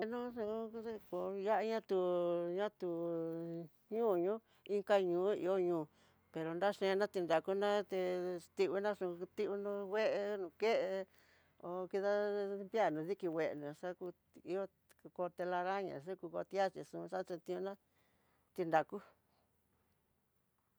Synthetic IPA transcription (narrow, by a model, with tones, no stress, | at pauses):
e˧nũ˦ʂũ˧˦ko˨ja˦ʔa˦ɲã˦t̪u˧ɲã˦t̪u˨ | ɲũː˦˨ɲũ˦ | i˦ŋka˦ɲũː˨˦ḭ˧o˦ɲũː˨ | pe˨ɾo˨nda˦ʂẽ˧nã˦t̪i˧nd̪a˨ku˦nã˦t̪e˧t̪i˧βu˧nã˦ʂũ˧t̪i˦u˧nũ˧we˦ʔe˧nũ˧ke˦ʔe˧ | o˧˨˧ki˧ða˦mbja˦˨nũ˨˧ði˦ki˧we˧˨ʔnũ˨ʂa˦ku˧ | i˧o˦˧ | ko˧t̪e˧la˧ɾa˦ɲã̰˨ʂ̬u˦ku˧ko̰˧t̪i˦a˦t͡ʃi˧˨ʂũ˧ʂa˦˧t͡ʃe˧t̪ĩ˧ũ˧nã˦ | t̪i˧nd̪a˨ku˦